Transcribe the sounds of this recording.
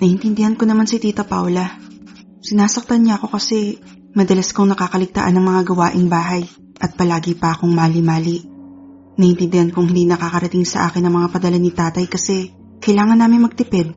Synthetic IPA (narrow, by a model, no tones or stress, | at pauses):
nɐhɪnt̪ɪnd̪ɪhɐnko̞nɐmansɪt̪iːt̪ɐpa̰wlɐ | sɪnaːsɐk̚t̪ɐnɲaɐko̞kɐsɛ | mɐd̪ɐlɐskoŋnɐkaːkɐlɪɡ̚t̪a̰ʔɐnːɐŋmɐŋaɡɐwaːʔɪŋbaːɦɐj | ʔɐt̪̚pɐlaːɡɪpɐʔɐkoŋmaːlɪmaːliʔ | nɐhɪnt̪ɪnd̪ɪhankoŋhɪnd̪inɐkakɐɾɐt̪ɪŋsɐʔa̰ːkɪnɐŋmɐŋapɐd̪ɐlanɪt̪aːt̪ɐjkɐsɛ | kɐjlaːŋɐnːaːmɪnmɐɡ̚t̪ɪpɛd̪̚